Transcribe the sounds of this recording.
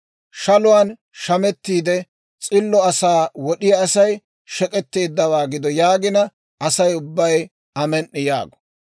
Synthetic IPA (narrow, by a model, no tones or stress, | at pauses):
ʃɐlʊwaːn | ʃɐmɛt̪ːiːd̪ɛ | t͡sʼɪlːɔɐsaːwɔɗɪjɐːsɐj | ʃɛkʼɛt̪ːeːd̪ːɐwaːɡɪd̪ɔjaːɡɪnɐ | ɐsɐjʊbːɐj | ɐmɛnʔːɪja̰ːɡɔ̥